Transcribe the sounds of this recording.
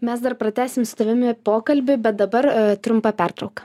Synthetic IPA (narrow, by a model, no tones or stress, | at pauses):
mʲɛsd̪ɐrpɾɐt̪ʲæːsʲɪmst̪ɐʋʲɪmʲɪpoːkɐlʲbʲɪbʲɛt̪̚d̪ɐbɐɾt̪ʲɾʊmpɐpʲært̪ɾɐʊkɐ̥